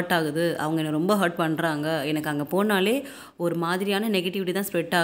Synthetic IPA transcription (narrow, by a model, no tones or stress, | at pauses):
ʈːaːɣɯðɯʔɐ̰ʋɐŋɡɐɛnːɐɾɔmbɐɦɐɾʈ̚pɐɳːɾaːŋɡɐɛnɐkːɐŋɡɐpoːnaːleː | ɔɾɯmaːðɪɾɪjaːnɐnɛɣɐʈːɪʋɪʈːit̪ãːspɾɛʈːaː